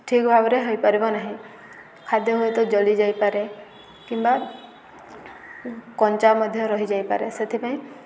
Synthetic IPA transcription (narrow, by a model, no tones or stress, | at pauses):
ʈʰikbʱabɔɾeɦojpaɾibɔnaɦĩ | kʰad̪jɔɦoet̪ɔd͡ʒɔlid͡ʒajpaɾe | kimba | kɔnt͡ʃamɔd̪ʱjɔɾɔɦid͡ʒajpaɾeset̪ʰipaĩ